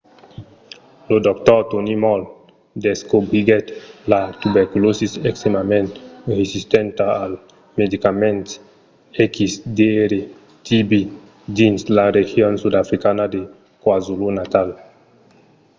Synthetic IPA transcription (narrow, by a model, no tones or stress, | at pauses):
lod̪ɔkt̪ɔɾt̪onimɔl | d̪eskobɾiɡet̪lat̪ubeɾkulosiseksemament̪ɾesist̪ent̪aːl | med̪ikamẽnt̪s | ekisd̪eɾe | t̪ibi | d̪inslaɾexjonsud̪afɾikanad̪e | kwazulunat̪al